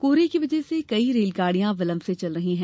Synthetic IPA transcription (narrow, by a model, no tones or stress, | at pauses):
koːɾekiʋɐd͡ʒɛsekɐiɾeːlkaːɽijãʋɐlə̃mset͡ʃɐlɾɐɦiɦɛ̃ː